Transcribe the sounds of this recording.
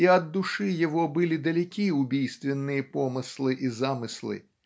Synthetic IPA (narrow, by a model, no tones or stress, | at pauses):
iɐd̪ːuʂɨjɐvɔbɨlʲid̪ɐlʲɛkʲiʊbʲijst̪vʲɪnːɨjɐpɔmɨslˠɨʔizamɨslˠɨ̰